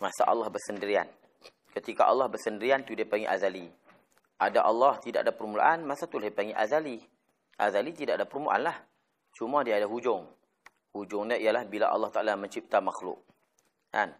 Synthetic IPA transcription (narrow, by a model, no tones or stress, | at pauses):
masa̰ʔɑlːɑhbərsəndəɾia̰n | kət̪ikaʔɑlːɑhbərsəndəɾiant̪udiapaŋiʔazali | ʔadaʔɑlːɑht̪ida̰ʔadapərmula̰ʔanmãsat̪ulahdipaŋiʔazali | ʔa̰zalit̪idaʔadapəɾmula̰ʔa̰nlah | t͡ʃumadiaːdaɦud͡ʒʊŋ | hud͡ʒʊŋɲãijalahbila̰ʔɑ̰lːɑht̪aʔalamə̃ɲt͡ʃip̚t̪amaxlʊ̰k̚ | ka̰n